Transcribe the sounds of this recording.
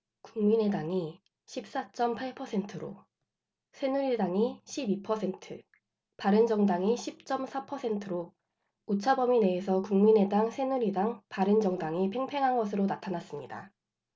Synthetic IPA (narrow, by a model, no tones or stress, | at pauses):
kuŋmine̞daŋi | ɕʰip̚s͈at͡ɕ͈ʌmpʰaɭpʰʌsʰe̞ntʰɯɾo̰ | sʰenuɾidaŋiɕʰibipʰʌsʰe̞ntʰɯ | paɾɯnd͡ʑʌŋdaŋiɕʰip̚t͡ɕ͈ʌmsʰapʰʌsʰe̞ntʰɯɾo | ut͡ɕʰabʌmine̞ːsʰʌkuŋmine̞daŋsʰe̞nuɾidaŋpaɾɯnd͡ʑʌŋdaŋipʰe̞ŋpʰe̞ŋɦanɡʌsʰɯɾonatʰanas͈ɯmɲida̰